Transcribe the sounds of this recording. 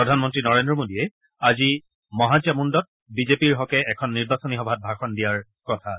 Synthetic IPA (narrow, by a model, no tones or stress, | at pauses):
ɹɔdʱanmɔntɹinɔɹendɹɔmodiɛ | azi | mɔɦad͡ʒamundɔt̚ | bizepiɹɦɔkɛʔɛkʰɔnːiɹbasonixɔbʱat̚bʱaxɔndijaɹ | kɔtʰa